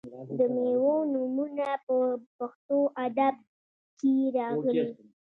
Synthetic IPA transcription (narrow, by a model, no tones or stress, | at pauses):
d̪əmewonumunapəpaxt̪oʔad̪ab̚ | keɾɑɣəli